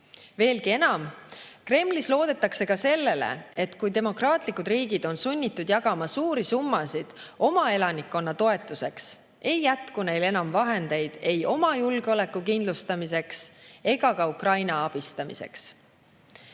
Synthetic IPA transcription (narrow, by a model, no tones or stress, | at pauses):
ve̞ːlɡie̞nɑmkre̞mːlislo̞ːd̪̥e̞t̪ːˑɑkse̞kɑse̞lːe̞le̞̰e̞t̪kujt̪e̞mo̞krɑːt̪ˑlikːˑud̪riːɡid̪̥o̞nsunʲːit̪ːˑud̪̥jɑɡɑmɑsuːɾisumːɑsid̪̥o̞mɑe̞lɑnikːo̞nːɑt̪o̞e̞t̪ːˑuse̞ks | e̞jːæt̪kune̞jle̞nɑmvɑɦe̞nd̪̥e̞jd̪̥e̞jo̞mɑjulɡ̥eo̞le̞kːukind̪lust̪ɑmise̞kse̞ɡ̥ɑkɑukrɑjnɑɑb̥ist̪ɑmḭse̞̰ks